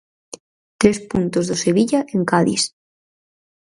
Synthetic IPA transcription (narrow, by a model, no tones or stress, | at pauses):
t̪ɾespunt̪ozðoseβiʎaʔeŋkaðḭs